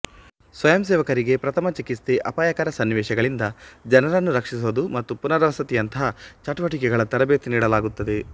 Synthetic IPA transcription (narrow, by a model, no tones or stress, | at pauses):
sʋɐjɐmsɛːʋɐkɐɾiɡe̞pɾɐt̪ʰɐmɐt͡ʃikist̪eʔɐpaːjɐkaːɾɐsɐnːiʋɛːʃɐɡɐɭind̪ɐd͡ʒɐnɐɾɐnːuɾɐkʂisuʋd̪umɐt̪ːupunɐɾɐʋɐsɐt̪ijɐnt̪ɐɦɐt͡ʃɐʈuʋɐʈikɛɡɐɭɐt̪ɐɾɐbeːt̪iniːɽɐlaːɡut̪ːɐd̪e̞